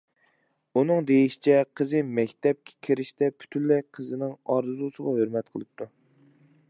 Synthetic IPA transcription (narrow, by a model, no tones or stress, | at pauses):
unɨŋd̪ejiʃi̥t͡ʃʰɛqʰəzɨmɛkʲt̪ʰɛp̚kʲʰɛ̥kʲʰeɾɪʃt̪ɛpʰy̥t̪ʰynlɛqʰəzɨnɪŋɑɾɨzut͡ʃʰəʁɑhøɾmɛt̪̚qʰəlˠɨp̚t̪ʰu